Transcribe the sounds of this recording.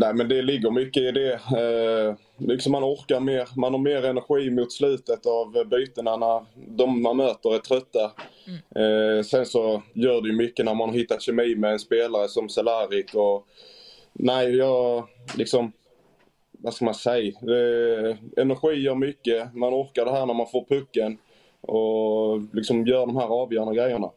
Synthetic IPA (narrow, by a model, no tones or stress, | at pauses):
næɪmɛnd̪ɛlɪɡːəɾmʏkːəɪd̪ɛ | lɪksɔmːanɔɾkaɾmeːɾmanhɑɾmeːɾɛnæɾɧiːmʊt̪slʉ̟ːt̪ət̪avbyːt̪ənanaɾd̪ɔmːanmøːt̪əɾɛt̪ʰɾœt̪ːa | sɛnsɔjœːɖɛjɵmʏkːənæɾmanhɑɾhɪt̪ːat̪ɕɛmiːmɛːnspeːlaɾəsɔmsɛlaːɾɪkɔ | næɪjɑːlɪksɔm | vaskamansɛjd̪ɛ | ɛnæɾɧiːjœːɾmʏkːəmanɔɾkaɾɖɛɦæːɾɳæɾmanfoːɾpʰɵkːən | ɔlɪksɔmjœːɾɖɔmhæːɾɑːvjœːɾandəɡɾɛjːəɳa̰